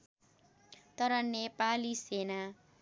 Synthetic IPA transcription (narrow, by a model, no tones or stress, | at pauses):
t̪ʌɾʌnepalisena